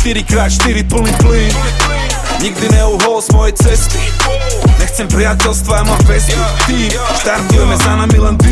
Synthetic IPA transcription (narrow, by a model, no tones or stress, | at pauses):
ʃt̪iɾikɾaːt̪ʃt̪iɾipl̩nipli | ɲiɡd̪inɛuɦɔlɔzmɔjɛt͡sɛst̪i̥ | nɛxt͡sɛmpɾiacɛlst̪ʋaamɔbɛzt̪iː | ʃt̪aɾt̪ujɛmɛzanamilɛnd̪